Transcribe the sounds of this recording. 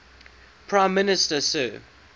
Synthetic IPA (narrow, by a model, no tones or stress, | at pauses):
pʰɹ̥ãɪ̃mːɪnɪstəsə̰